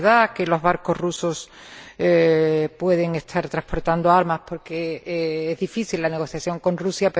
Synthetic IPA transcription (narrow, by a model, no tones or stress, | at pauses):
ðakelo̞zβaɾko̞ɦruso̞s | pwe̞ð̞eŋe̞st̪ʰaɾt̪ɾaspo̞ɾt̪and̪oaɾmaspo̞ɾkeezðifiθilːane̞ɣ̞o̞θjaθjo̞ŋko̞nrusjape